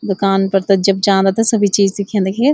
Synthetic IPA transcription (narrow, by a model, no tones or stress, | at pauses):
d̪ʊkaːnpɐɾt̪ɐd͡ʒɐb̚d͡ʒaːnd̪at̪ɐsɐbʱit͡ʃiːzsikʰẽnd̪ekʰeː